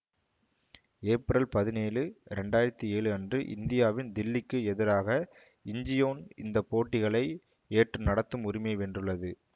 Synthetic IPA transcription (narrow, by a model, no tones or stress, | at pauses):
eːpɾɐlpɐðɪneːlɯɾɛɳɖaːjɪɾɐt̪ːieːɭɯɐndrɯʔɪ̰nd̪ɪjaːʋɪnd̪ɪlːɪkːɯɛðɪɾaːɣɐ | ɪɲd͡ʒɪjoːnɪnd̪ɐpːoːʈːɪɣɐɭɐɪ | eːʈrɯnɐɽɐt̪ːɯmʊɾɪmeɪʋɛndrɯɭːɐðɯ